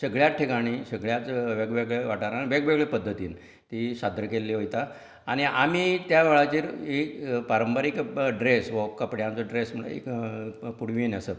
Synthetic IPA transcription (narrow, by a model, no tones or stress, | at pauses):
səɡɭjaʈʰikaɽ̃isəɡɭjat͡sʋeɡʋeɡɭeʋaʈaɾãiʋeɡʋeɡɭepəd̪ʱːət̪iːn | t̪iɕad̪ɾəkelːiɦojt̪a | aɽ̃iʔamit̪jaʋɛɭat͡ɕiːɾepaɾəmpəɾikɖɾesʋəkəpɽjãnt͡sɔɖɾesm̤əɭ̰ḛkpuɽʋinəsə